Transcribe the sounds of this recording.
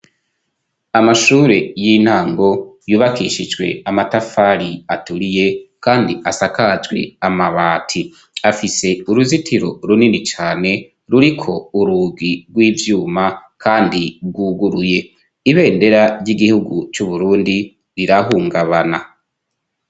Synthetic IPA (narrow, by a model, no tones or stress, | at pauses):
amaʃuːɾe̞jin̥haːŋɡo̞juːβakiʃid͡ʒɡwe̞̰amatafaɾiatuɾije̞kaːndiʔasakazɡwe̞̰amaβaːtʰi | afise̞uɾuzitʰiɾo̞ɾuninit͡ʃaːne̞ | ɾuɾikʰo̞uɾuːɡiɡwiːvjuːmakʰaːndiɡuːɡuɾuje̞ | iβe̞ːnde̞ɾajiɡihuɡut͡ʃuβuɾuːndi | ɾiɾaɦuːŋɡaβana